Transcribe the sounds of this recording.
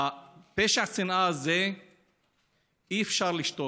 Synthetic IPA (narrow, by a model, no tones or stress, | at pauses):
apeʃaħsinʔaaze | iefʃaʁliʃt̪o